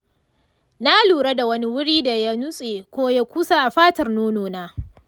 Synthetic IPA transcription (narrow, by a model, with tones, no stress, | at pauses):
na˦luː˨ɽa˦da˨wɐ˦ni˦wʊ˦ɽiː˦da˨ja˦nʊ˦sʼeː˨kʷoː˦ja˦kʷu˦sa˦ʔa˨ɸaː˦tɐ˨rnoː˦noː˨naː˦